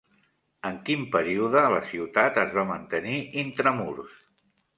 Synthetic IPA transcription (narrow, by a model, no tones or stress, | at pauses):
əŋkimpəɾiuðələsiwt̪at̪əzβamənt̪əniʔint̪ɾəmuɾs